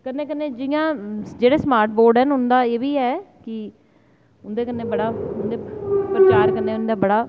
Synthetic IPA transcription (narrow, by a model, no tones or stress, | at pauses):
kənːẽːkənːeːd͡ʒɪɪjãːd͡ʒeːɽeːsmaːɾʈ̚boːɾɖɛːnɦʊnd̪aːeːʋiːɛːkɪ | ʊnd̪eːkənːeːbəɽaːʊnd̪eːpɾət͡ʃaːɾkənːeːʊnd̪aːbəɽaː